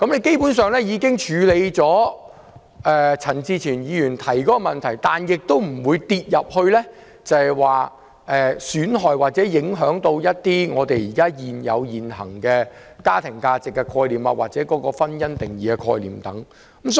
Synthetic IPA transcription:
kɐ˨˥mle˨˧jke˥jpuː˨˥nsœː˨˧ŋlɛ˥jiː˨˧kɪ˥ŋt͡ʃʰyː˨˧le˨˧jt͡sɔː˨˥ | ʔɛː˨t͡sʰɐ˨˩nt͡siː˧t͡sʰiː˨˩njiː˨˧jyː˨˩nt̪ʰɐ˨˩jkɔː˨˥ɔ˧mɐ˨nt̪ʰɐ˨˩jt̪aː˨njɪ˨k̚t̪o˥wm̩˨˩wuː˨˧jt̪iː˧t̚jɐ˨p̚hɵ˧ɥlɛ˥ | t͡sɐ˨hɛ˨jwaː˨ | ʔɛː˨˩syː˨˥nɦɔː˨jwaː˨˩t̚t͡sɛː˨˥jɪ˨˥ŋɦœː˨˥ŋt̪o˧wjɐ˥t̚t̪ːiː˥ŋɔː˨˧t̪e˨jjiː˨˩kaː˥jiː˨njɐ̰˨˧wjiː˨nɦɐ̰˨˩ŋkɛː˧kaː˥t̪ʰɪ˨˩ŋkaː˧t͡sɪ˨kːɛ˧kʰɔː˧jliː˨ma̰˧waː˨t̚t͡sɛː˨˥kɔː˨˥kɔː˧fɐ˥njɐ˥nt̪ɪ˨ŋjiː˨kɛ˧kʰɔ̰ː˧jlḭː˨˩mt̪ɐ˨˥ŋ˦ | m

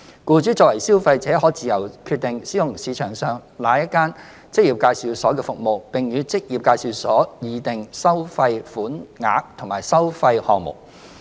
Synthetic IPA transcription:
kuː˧t͡ʃyː˨˥t͡sɔː˧kwɐ˨˩jsiː˥wfɐ˧jt͡sɛː˨˥ɦɔː˨˥t͡siː˨jɐ˨˩wkʰyː˧t̪̚ɪ˨ŋsiː˨˥jʊ˨˩ŋsiː˨˧t͡ʃʰœː˨˩ŋsœː˨˧ŋlaː˨˥jɐ˥t̚kaː˥n | t͡sɪ˥k̚jiː˨˩p̚kaː˧jsi˨˧wsɔː˨˥kɛː˧fʊ˨k̚mo˨wpɪ˨ŋɥyː˨˧˥t͡sɪ˥k̚jiː˨p̚kaː˧jsi˨˧wsɔː˨˥jiː˨˧t̪ɪ˨ŋsɐ˥wfɐ˧jfuː˨˥nŋa̰ː˨˧˥k̚t̪ʰʊ˨˩ŋmaː˨˩jsɐ˥wfɐ˧jhɔː˨ŋ̚mʊ̰˨˩k̚

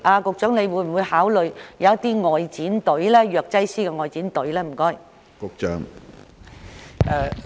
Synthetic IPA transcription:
ʔaː˨˧kʊ˧k̚t͡ʃœː˨˥ŋne˧jwuː˨˥jm̩˨˩wu˨˧jhaː˨˥wlɵ˨ɥjɐ˨˧wɐ˥t̪iː˥ŋɔː˨˧jt͡siː˨˥nt̪ɵ˨˥ɥlɛː˥jœː˨˧k̚t͡sɐ˥jsiː˥kɛ˧ŋɔː˧jt͡siː˨˥nt̪ɵ˨˥ɥlɛː˥m̩˨˩kɔː˥j | kʊ˨k̚t͡ʃœː˨˥ŋ | ʔɛː˧

